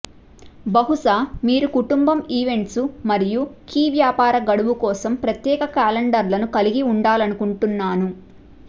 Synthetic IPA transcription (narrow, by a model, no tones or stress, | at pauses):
bɐɦuʂaːmiːɾukuʈumbɐmiːʋe̞ɳʈsumɐɾijukiːʋjaːpaːɾɐɡɐɽuʋukɔːsɐmpɾɐt̪jɛːkɐkaːlɐɳɖɐɾlɐnukɐliɡiuɳɖaːlɐnukuɳʈunːaːnu